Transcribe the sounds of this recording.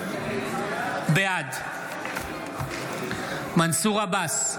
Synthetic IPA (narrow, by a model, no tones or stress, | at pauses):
bead̪ | mansuʁabas